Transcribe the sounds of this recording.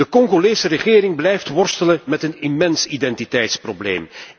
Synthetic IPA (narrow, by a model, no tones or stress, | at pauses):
dəkɔŋɣoleːsərəɣɪːɾɪŋblɛjftʋɔrstələmɛtənimɛnsidɛntitɛjtsproblḛːm